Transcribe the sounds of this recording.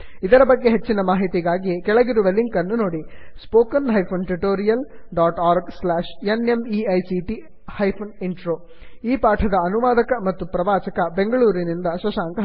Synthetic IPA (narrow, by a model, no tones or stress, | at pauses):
id̪ɐɾɐbɐɡːe̞ɦet͡ʃːinɐmaːɦit̪iɡaːɡikɛɭɐɡiɾuʋeliŋkɐnːuno̞ːɽispoːkɐnɦɐjpʰonʈɾiʈoːɾijɐl | ɖaːʈaːɾɡslaːʃenemiɐjsiʈi | hɐjpʰɐniɳʈɾoː | iːpaːʈʰɐd̪ɐːnuʋaːd̪ɐkɐmɐt̪ːupɾɐʋaːt͡ʃɐkɐbe̞ŋɡɐɭuːɾinind̪ɐʃɐʃaːŋkɐ